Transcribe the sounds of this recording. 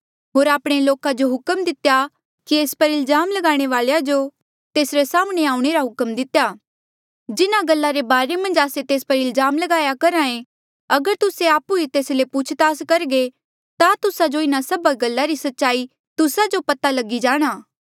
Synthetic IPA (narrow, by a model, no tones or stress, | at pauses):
ɦoːɾaːpɽ̃eloːkad͡ʒoɦʊkəmd̪ɪt̪eja | kieːspɐɾɪlzaːmlɐɡaːɽ̃eʋaːɭjad͡ʒo | t̪eːsɾesaːmɽ̃eaːũɽ̃eɾaɦʊkəmd̪ɪt̪ejaː | d͡ʒɪnaɡɐlːaɾebaːɾemɐ̃nd͡ʒaːset̪eːspɐɾɪlzaːmlɐɡaːjakɐɾãːẽ | ɐɡəɾt̪ʊseaːpuet̪eːslepʊt͡ʃʰt̪aːskɐɾɡe | t̪at̪ʊsad͡ʒoɪnasɐbaɡɐlːaɾisɐtːʃaːi | t̪ʊsad͡ʒopɐt̪alɐɡid͡ʒaːɽ̃aː